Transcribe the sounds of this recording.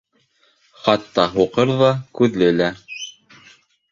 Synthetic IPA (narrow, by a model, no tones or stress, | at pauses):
χɑt̪ːɑɦuqɤɾðɑkʉðlɘ̆læ